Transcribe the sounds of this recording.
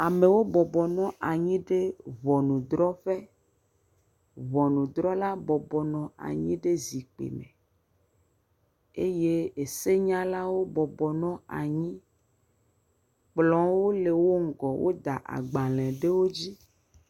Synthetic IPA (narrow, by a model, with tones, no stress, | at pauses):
a˨me˨wo˦bɔ˨bɔ˨nɔ̃˦ʔa˨ɲĩ˦ɖe˦vɔ˨nũ˨d̪ɾɔ˦ɸe˦ | vɔ˨nũ˨d̪ɾɔ˦la˦bɔ˨bɔ˨nɔ̃˨a̰˨ɲĩ˦ɖe˦zi˨k͡pḛ˨mḛ̃˨ | e˦je˦e˨se˦ɲã˦la˦wo˦bɔ˨bɔ˨nɔ̃˦a̰˨ɲĩ˦ | k͡plɔ̃˨˦wo˦le˨wo˦ŋ̩˦˨ɡɔ˨wʔo̰˦d̪a˨ʔa̰˨ɡ͡ba˨lɛ̃˨ɖe˦wo˦d͡ʑi˦